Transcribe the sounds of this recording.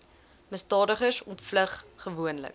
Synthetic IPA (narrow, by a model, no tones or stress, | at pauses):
məstɑːdəχərsɔntfləχχəvuənlə̰k̚